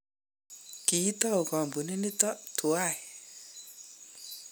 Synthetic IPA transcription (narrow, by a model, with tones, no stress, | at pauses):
ki˨i˦tɔ˦o˨kɔ˨mbu˨ne˦ni˦tɔ˦tʰu˨a˦˨